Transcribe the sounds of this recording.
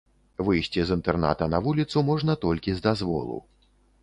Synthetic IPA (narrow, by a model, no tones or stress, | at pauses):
vɨjsʲt͡sʲizɨnt̪ɛrna̰t̪ɐnɐvulʲit̪sumɔʐnɐt̪ɔlʲkʲizd̪azvɔ̰lˠṵw